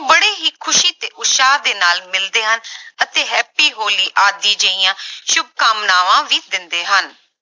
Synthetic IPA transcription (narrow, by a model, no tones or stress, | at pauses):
bəɽeːɦiːkʰʊʃiːt̪eːʔʊʃaːɾd̪eːnaːlmɪld̪eːɦənət̪eːɦɛːpiːɦoːliːʔaːd̪iːd͡ʒəijãːʃʊb̚kəmnaːʋãːʋiːd̪ɪnd̪eːɦən